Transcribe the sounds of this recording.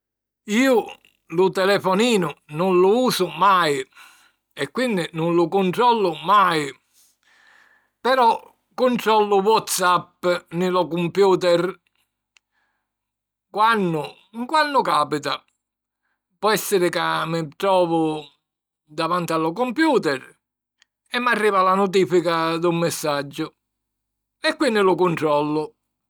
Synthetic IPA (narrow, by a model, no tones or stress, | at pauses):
iːʊ | lʊt̪ɛlɛfɔniːnʊnʊnlʊuːsʊmaj | ɛkːwind̪ɪnʊnlʊkʊnt̪ɾɔlːʊmaj | pɛɾɔ | kːʊnt̪ɾɔlːʊwɔt̪sapːnɪlɔkumpjuːt̪ɛr | kwanːʊ | ŋkwanːʊkaːpit̪a | pɔɛsːɪɾɪkamːɪt̪ɾɔːvʊ | d̪avant̪ɪalːɔkɔmpjuːt̪ɛɾ | ɛmːarːiːvalanʊt̪̬iːfikad̪ʊmːɪsːad͡ʒːʊ | ɛkːwinːɪlʊkʊnʈ̪ɾɔlːʊ